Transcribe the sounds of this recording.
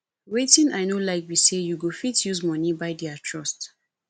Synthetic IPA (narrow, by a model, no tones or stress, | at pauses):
wetĩnaɪnolaɪkwisejuɡofitjuzmɔnibaɪdiatʰɹɔst